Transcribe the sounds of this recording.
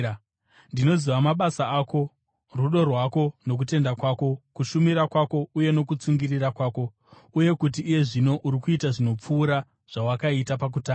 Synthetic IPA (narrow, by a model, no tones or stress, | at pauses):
ndino̞ziʋamaɓasaako̞ | ruɗo̞rwako̞no̞k̬ute̞ndakwaːko̞kuʃumiɾakwako̞uje̞no̞kut͡suŋɡirirakwaːko̞ | uje̞kut̬iːje̞ʐino̞ʔuɾikuitaʐino̞p͡fuːɾa | ʐ̥awakaitapak̬utaːa